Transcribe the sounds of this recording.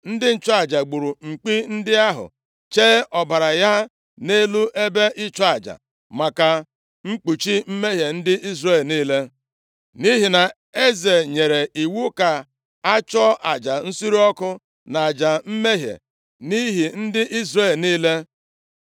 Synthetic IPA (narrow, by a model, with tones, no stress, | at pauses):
n̩˦dɪ˦n̩˦t͡ʃɔ˦a˨d͡ʒa˨ɡ͡bu˨ɾu˨ŋ͡m̩˨k͡pi˦n̩˦dɪ˦a˦ɦʊ̰˨ | t͡ʃe˦ɔ˨ba˨ɾa˨ja˦ | ne˦lu˦ʔe˦be˦ʔɪ˦t͡ʃɔ˦a˨d͡ʒa̰˨ | ma˨ka˨ | ŋ͡m̩˦k͡pu˨t͡ʃi˦m̩˦me˦ɦje˨n̩˦dɪ˦ʔi˦zre˦˨lniː˦le˦ | ni˦ɦi˨na˨ | e˦ze˨ɲe˨ɾe˨i˨wu˦ka˨ | a˦t͡ʃɔ˦ʔa˨d͡ʒa˨n̩˦si˦ɾi˦ɔ˦kʊ˦ | na˨a˨d͡ʒa˨m̩˦me˦ɦjḛ˨ | ni˦ɦi˨n̩˦dɪ˦ʔi˦zre˦˨lniː˦le˦